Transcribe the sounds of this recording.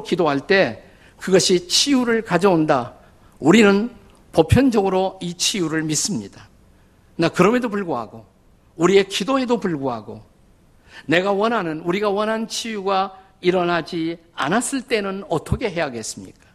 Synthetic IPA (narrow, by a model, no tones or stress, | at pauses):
kidoɦaɭt͈e̞ | kɯɡʌɕʰit͡ɕʰijuɾɯɭkad͡ʑʌonda | uɾinɯn | popʰjʌnd͡ʑʌɡɯɾoit͡ɕʰijuɾɯɭmis͈ɯmɲid̥a | nakɯɾʌmedopuɭɡoɦa̰ɡo | uɾie̞kidoɦe̞dopuɭɡoɦa̰ɡo | ne̞ɡawʌnɦanɯnuɾiɡawʌnɦant͡ɕʰijuɡa | iɾʌnad͡ʑi | a̰nas͈ɯɭt͈e̞nɯnʌtʰʌkʰe̞ɦe̞jaɡe̞s͈ɯmɲḭk͈ḁ